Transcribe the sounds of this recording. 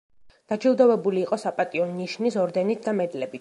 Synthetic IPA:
d̪̥ad͡ʒʰilˠd̪ɔvɛbuliːqʼɔsapʼat̪ʼiɔnːiʃnisɔɾd̪ɛnit̪̚ʰd̪amɛd̪lɛbit̪

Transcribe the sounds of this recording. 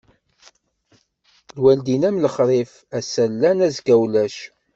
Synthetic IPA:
lwæld̪inæmləχɾˤif | æsælːænæzɡæwlæʃ

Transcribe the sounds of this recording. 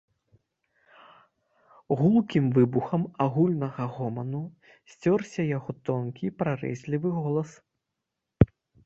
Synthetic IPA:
ɣulˠkʲimvɨbuxɐmaɣulʲnɐɣɐɣɔmɐnu | sʲt͡sʲɔrsʲɐjaɣɔt̪ɔnkʲipɾarɛ̰zʲlʲivɨɣɔlˠɐs

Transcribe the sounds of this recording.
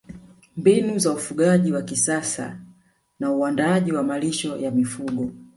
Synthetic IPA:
mbinuzaufuɠaʄiwakisasa̰ | nauandaaʄiwamaliʃɔjamifuɠɔ

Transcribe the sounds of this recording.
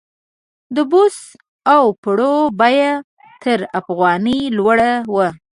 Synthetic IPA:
d̪əbos | awpəɽobɑja | t̪əɾafɣɑnilwaɽawə

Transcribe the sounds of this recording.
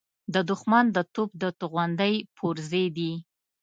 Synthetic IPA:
d̪əd̪ʊxmand̪ət̪op̚d̪ət̪uɣwand̪əjpʰoɾzed̪i

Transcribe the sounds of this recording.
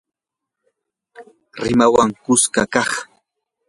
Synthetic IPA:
ɾɪmawaŋkʊskakɑχ

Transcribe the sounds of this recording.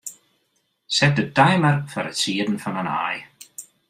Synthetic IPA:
sɛdədajmərfaɾəsʰiːdn̩fanana̰ːj

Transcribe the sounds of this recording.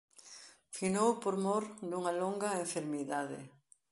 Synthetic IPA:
finowpoɾmoɾd̪uŋɐloŋɡɐeɱfeɾmiðaðɪ̰

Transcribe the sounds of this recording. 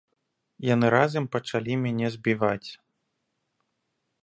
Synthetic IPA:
janɨɾazɐmpɐt͡ʂalʲimʲanʲɛzbʲivat͡sʲ

